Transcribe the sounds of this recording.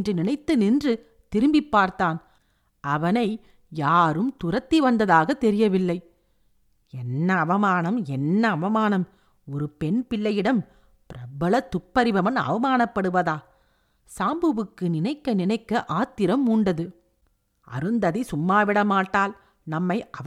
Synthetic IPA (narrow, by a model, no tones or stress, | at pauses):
ndrɯnɪnɐɪt̪ːɯnɪndrɯ | t̪ɪɾɯmbipːaːɾt̪aːn | ʔɐʋɐnɐɪ | jaːɾɯmt̪ʊɾɐt̪ːiʋɐnd̪ɐðaːɣɐt̪ːɛɾɪjɐʋɪlːɐɪ | ɛnːɐːʋɐmaːnɐmɛnːɐːʋɐmaːnɐm | ɔɾɯpɛnpɪɭːɐjɪɽɐm | pɪɾɐbɐɭɐt̪ːʊpːɐɾɪbɐʋɐnɐ̰ʋɐmaːnɐpːɐɽɯʋɐðaː | saːmbɯʋɯkːɯnɪnɐɪkːɐnɪnɐɪkːɐʔaːt̪ːɪɾɐmːuːɳɖɐðɯ | ʔɐ̰ɾɯnd̪ɐðisʊmːaːʋɪɽɐmaːʈːaːl | nɐmːɐɪɐ